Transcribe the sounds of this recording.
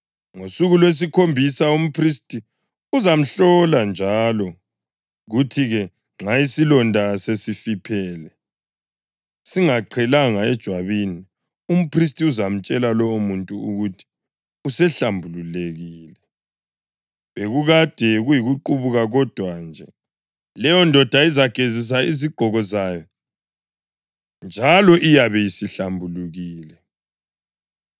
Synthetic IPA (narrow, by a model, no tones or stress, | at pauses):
ŋosuɣulwes̬ikʰombʱisaum̩pʰristʼi | uzam̩ɬɔland͡ʒʱaːlɔ | ɣutʰiɣɛ | ŋ͡ǁaisilɔndʱasesifipʰɛːlɛ | siŋaǃʰɛlaŋaɛd̥ʒ̥ʱwaβini | um̩pʰris̬tʼiuzam̩t͡ʃʼɛlalɔumuntʼuṵɣutʰi̥ | usɛɬambʱululeɣiːlɛ | βeɣuɣad̥ʱɛɣujiɣuǃuβuɣaɣɔd̥ʱwand͡ʒʱɛ | lɛjɔndʱɔd̥ʱaizaɡ̥ʱezis̬aiziɡ͡ǃʱɔɣɔzaːjɔ | nd͡ʒʱalɔʔijaβɛjisiɬambʱuluɣiːlɛ